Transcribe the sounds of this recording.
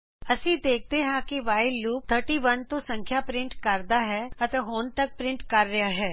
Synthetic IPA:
əsĩːd̪eːk̚ʰd̪eɦãkiʋaːɪlːuːp̚t̪ʰəɾʈiːʋənt̪õsə̃ŋkʰjaːpɾɪ̃ɳʈkəɾd̪aɦɛːɐt̪eɦoːnt̪ək̚pɾɪ̃ɳʈkəɾːɪjaɦɛː

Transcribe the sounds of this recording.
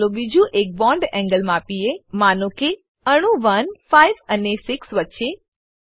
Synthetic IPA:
lõbid͡ʒũʔek̚bɔ̃ɳɖɛ̃ŋɡəlmãːpiemanõke | əɽ̃ũʋənfajʋənesɪksʋətːʃe

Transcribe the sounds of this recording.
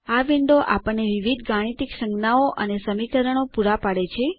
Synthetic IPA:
aʋiɳɖoʔapəɳneʋiʋid̪ʱɡaɽ̃it̪iksəŋɡnaoʔənesəmikəɾəɽopuɾapaɽet͡ʃʰe

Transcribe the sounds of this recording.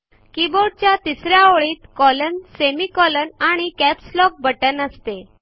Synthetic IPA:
kiboɽ̚t͡ɕjat̪isɾjaoɭiːt̪kɔlənsemikɔlənaɽ̃ikɛpslɔk̚bəʈənəst̪e

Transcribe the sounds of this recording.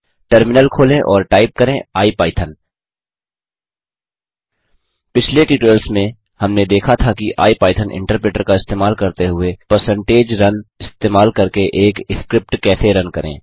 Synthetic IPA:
ʈəɾmɪnəlkʰoːlẽʔɔːɾʈaːɪp̚kəɾẽaːipaːɪt̪ʰən | pɪt͡ʃʰleʈiːʈeːlsmẽ | hɐmned̪eːkʰat̪ʰakiʔa̰ːipaːɪt̪ʰənʔɪ̰̃ɳʈəɾpɾeːʈəɾkaɪst̪eːmaːlkɐɾt̪eɦʊepəɾsə̃ɳʈeːd͡ʒɾɐnɪst̪eːmaːlkɐɾkeʔeːkskɾɪp̚ʈkɛːseɾɐnkəɾḛ̃ː

